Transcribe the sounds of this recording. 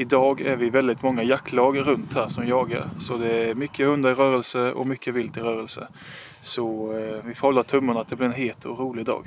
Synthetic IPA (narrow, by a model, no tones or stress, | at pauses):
ɪd̪ɑːɡæɾvɪvɛld̪ɪt̪mɔŋːajakːlɑːɡɾɵnt̪hæːɾʂɔmjɑːɡa̰ɾsɔd̪ɛæɾmʏkʰːəhɵnd̪aɾɪɾœːɾɛlsəɔ̰mʏkʰːəvɪlt̪ɪɾœːɾɛlsə̰ | sɔvɪfhɔlːat̪ʰɵmːʊɳat̪̚d̪ɛblɪɾɛnɦeːt̪ʰuɾuːlɪɡd̪ɑ̰ːɡ